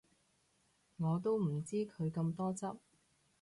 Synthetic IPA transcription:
ŋɔː˨˧t̪̬o˥wm̩˨˩t͡siː˥kʰɵ˨˧ɥkɐ˧mt̪ɔː˥t͡sɐ˥p̚

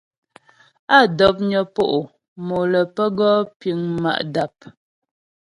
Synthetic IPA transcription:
a˦˨dɔ˨˦p̚ɲɔ˨po˦ʔo˨ | mo˨lə˨pə˦ɡɔ˦pi˨˦ŋma̰˦˨ʔda˨p̚

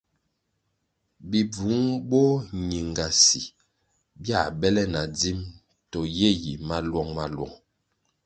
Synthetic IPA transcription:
bi˨b͡vu˨˦ŋbɔ˦ɲi˨ŋɡa˨si˨ | bja˦˨bɛ˦lɛ˦na˨d͡zi˦m | tɔ˨je˦˨ji˨ma˦lwɔ˦˨ŋma˦lwɔ̰˨ŋ

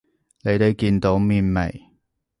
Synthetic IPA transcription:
ne˨˧jt̪e˨jkiː˧nt̪o˨˥wmiː˨˧nmḛ˨˩j

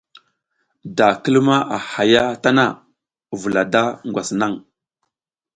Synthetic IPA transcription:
da˨kə˦lma˦ʔa˨ha˨ja˦ta˦na˦˨ | vu˨la˨da˦ŋɡʷwʷa˨sna˦˨ŋ

